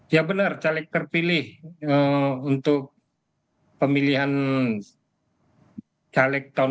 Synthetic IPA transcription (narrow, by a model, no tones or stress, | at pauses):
jabənərt͡ʃalɛk̚t̪ərpilɪhəunt̪ʊk̚ | pəmiliɦan | t͡ʃalɛk̚t̪ɔ